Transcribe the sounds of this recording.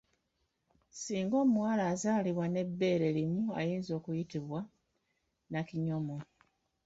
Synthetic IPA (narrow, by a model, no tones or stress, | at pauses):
siːŋɡo̞ːmuwaːlaːzaːliβwane̞bːe̞ːɾe̞limua̰jiːnzo̞ːkujitiβwa | naciɲomo